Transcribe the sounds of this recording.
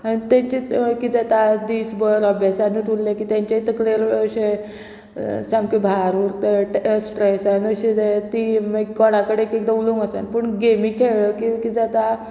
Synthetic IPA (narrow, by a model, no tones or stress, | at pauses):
aɽit̪aɲt͡ɕikid͡zat̪ad̪iːsbəɾəbʱjasanət̪ullekit̪jãɲt͡ɕait̪əkleɾəɕe | sãmkebʱaɾuɾt̪əʈsʈɾesanəɕed͡zat̪imekɔɽ̃ãkəɽekekd̪auluŋɡəsa̰npəɳɡemikʰeɭəkikid͡zat̪a